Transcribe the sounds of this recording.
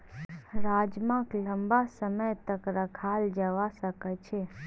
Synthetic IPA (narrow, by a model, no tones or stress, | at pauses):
ɾaːd͡ʒmãkləmbasəməjt̪əkɾəkʰaːld͡ʒəʋasəkət͡ʃʰe